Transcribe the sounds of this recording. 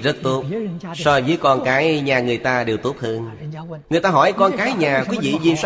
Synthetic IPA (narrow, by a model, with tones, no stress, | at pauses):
zə˦˥t̚t̪o˦˥p̚sɔ˧vəː˨˦jkɔ˧nkaː˨˦jɲaː˨˩ŋɨ˨˩əjt̪aː˧ɗe˨˩wt̪o˦˥p̚hɨ˧n | ŋɨ˨˩əjt̪aː˧ɦɔ˧˩jkɔ˧nkaː˨˦jɲaː˨˩kwi˨˦vḭ˧˨zḭ˧˨swa˦